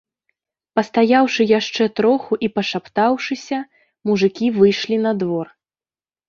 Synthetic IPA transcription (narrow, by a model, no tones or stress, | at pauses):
pɐst̪ajawʂɨjaʂt͡ʂɛt̪ɾɔxuʔipɐʂapt̪awʂɨsʲɐ | muʐɨkʲivɨjʂlʲinɐd̪vɔr